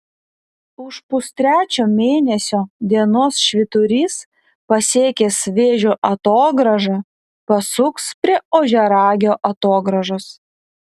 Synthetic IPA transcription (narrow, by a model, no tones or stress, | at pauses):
ʊʃpʊst̪ʲɾʲæːt͡ʃʲoːmʲeːnʲɛsʲoːd̪ʲiɛnoːsʃʲʋʲɪt̪ʊɾʲiːs | pɐsʲeːkʲeːsʋʲeːʒʲoːʔɐt̪oːɡɾɐʒɐ | pɐsʊkspʲɾʲiɛoːʒʲɛɾɑːɡʲoːʔɐt̪oːɡɾɐʒos